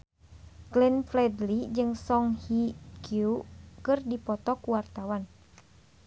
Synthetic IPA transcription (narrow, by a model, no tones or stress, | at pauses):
ɡlɛnflɛd̪lid͡ʒɨŋsɔŋhikʰukɨrdipɔt̪ɔkuwart̪awan